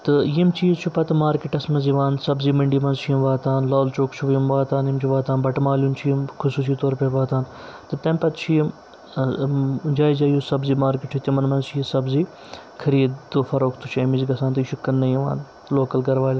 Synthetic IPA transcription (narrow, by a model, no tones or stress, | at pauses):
t̪ɨjimt͡ʃiːzt͡ʃʰupɐt̪ɨmaːɾkiʈɐsmɐnziʋaːnsɐbziːmɐɳɖiːmɐnzt͡ʃʰijimʋaːt̪aːnlaːlt͡ʃoːkt͡ʃʰuʋjimʋaːt̪aːnjimt͡ʃʰuʋaːt̪aːnbɐʈmaːljumt͡ʃʰijimkʰʊsuːs̬iːt̪oːɾpeʋaːt̪aːnt̪ɨt̪ɐ̃mpɐt̪t͡ʃʰijim | d͡ʒaːizaːjusɐbziːmaːɾkiʈʰut̪imɐnmɐnzt͡ʃʰijisɐbziː | kʰɐɾiːd̪d̪ofɐɾoːkʰt̪ʰut͡ʃʰɐːmiziɡɐsãːnt̪ɐʃukːɐnːɐjiʋa̰ːn | loːkɐlɡɐɾʋaːlʲ